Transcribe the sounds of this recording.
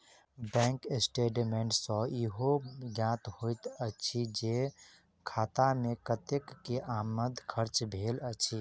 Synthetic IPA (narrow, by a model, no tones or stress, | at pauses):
bɛ̃ːŋkesʈeːɖmeɳʈsɔ̃iɦoɡjãːt̪hojt̪ət͡ʃʰid͡ʒe | kʰaːt̪amẽkət̪ekːeʔaːməd̪ʱkʰəɾt͡ʃbʱeːlət͡ʃʰi